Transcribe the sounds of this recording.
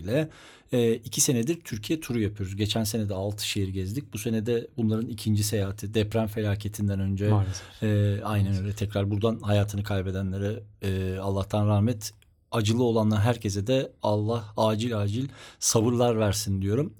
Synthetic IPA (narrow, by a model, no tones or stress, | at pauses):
lʲɛː | icʰise̞nɛd̪iɾt̪ʰyɾcʰijɛt̪ʰuɾujapʰɯjo̞ɾuzɟe̞t͡ʃʰænse̞nɛd̪ɛalˠt̪ʰɯ̥ʃejiɾiɟɛzd̪ic̚buse̞nɛd̪ɛbunlˠaɾɯnicʰind͡ʒise̞jaːt̪ʰɯd̪ɛpɾænfe̞lʲaːcʰe̞t̪ʰind̪ænø̞nd͡ʒɛ | ajnænønɾɛt̪ʰɛcɾaɾbuɾd̪anhajaːt̪ʰɯnɯkʰajbe̞d̪ænlʲe̞ɾɛːalˠːaht̪ʰanɾaːhmɛt̪ | ad͡ʒɯlˠɯo̞lˠanˠaɾɦæɾcʰe̞zɛd̪ɛalˠːahaːd͡ʒilʲaːd͡ʒilʲsabɯɾlˠaɾvæɾsind̪ijo̞ɾum